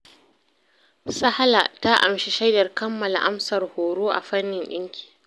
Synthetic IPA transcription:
sa˦ha˦la̰˨ta˦ʔa̰˨mʃi˨ʃa˦jdɐ˨rkɐ˦mːɐ˨la˨ʔa˦msɐ˨rhoː˨ɾoː˦ʔa̰˨ɸɐ˦nːɪ˨nɗɪ˦ŋkʲi̥ː˨

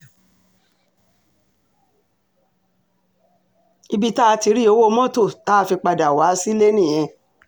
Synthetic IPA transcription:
i˧bi˦ta˦a˧ti˧ɾi˦o˧wo˦˧mɔ̃˦to˦˨ta˦˧fi˧k͡pa˧da˨wa˨˦si˦le˦nĩ˦˨j̃ɛ̃˧

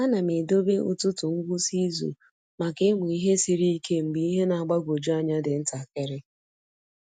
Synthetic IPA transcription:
a˦na˨me˨do˦be˦ʔʊ̰˨tʊ˦tʊ˨ŋ̩˦ɡʷʊ˦si˦zṵ˨ | ma˨ke˦mʊ˨i˦ɦe˦si˨ɾi˦i˦ke˦m̩˨ɡ͡bi˨i˦ɦe˦na˨a˨ɡ͡ba˦ɡʷo˨d͡ʒa˦ɲa˦dɪ˨n̩˦ta˨ke˦ɾɪ˦

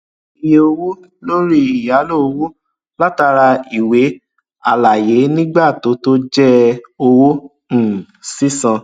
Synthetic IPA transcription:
i˨je˧o˧wo˦ | lo˦ɾi˦i˨ja˨˦lo˦o˧wo˦ | la˦ta˧ɾa˧i˨we˨˦ | a˨la˨je˨˦nĩ˦ɡ͡ba˦˨to˨˦to˦d͡ʒɛ˦o˧wõ˦˨ | si˦sã˧

